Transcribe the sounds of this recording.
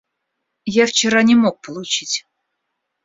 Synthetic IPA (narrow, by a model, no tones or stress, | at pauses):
jaft͡ɕɪɾanʲɪmo̞k̚pəlˠʊt͡ɕitʲ